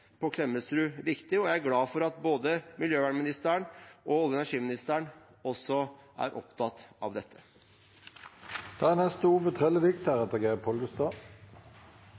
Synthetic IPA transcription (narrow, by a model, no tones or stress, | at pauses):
pʰɔkʰlɛmːəsɾʉːɾɪkt̪ɪɔjæɪæɾɡlɑːfɔɾɑt̪̚boːd̪əmɪljøːʋæɳmɪnɪst̪æəɳɔɔlːəɛnæʂiːmɪnɪst̪æɳ | ɔsɔʔæ̰ɾʔɔ̰pt̪ʰɑt̪ɑ̰ʋd̪ɛt̪ʰːə̥ | d̪̥ɑænɛst̪əuːʋət̪ʰʁɛlːəʋɪkt̪æʁɛt̪ɛɡæpʰɔlɡəst̪ɑː